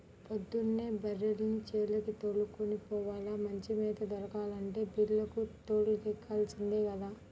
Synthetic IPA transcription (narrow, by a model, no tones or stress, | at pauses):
pɐd̪ːunːeːbɐɾːelnit͡ʃeːlɐkit̪oːɭːukonipɔːʋaːlaːmɐɲt͡ʃimeːd̪ɐd̪ɐɾɐkaːlɐɳʈe̞ːbiːlːɐkut̪oːɽlɐt̪ikʰːaːlsind̪eːkɐd̪aː